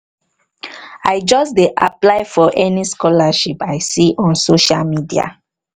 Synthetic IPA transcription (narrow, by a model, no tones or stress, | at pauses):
aɪd͡ʒɔsdeʔa̰plaɪfɔʔɛniskɔlaʃipaɪsiʔɔ̃nsoʃalmidia̰